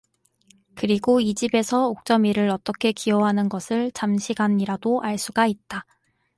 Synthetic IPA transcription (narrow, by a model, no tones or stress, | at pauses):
kɯɾiɡoid͡ʑibe̞sʰʌok̚t͡ɕ͈ʌmiɾɯɾʌt͈ʌkʰe̞kiʌɦanɯnɡʌsʰɯɭt͡ɕamɕʰiɡanɲiɾadoʔaɭs͈uɡait̚t͈a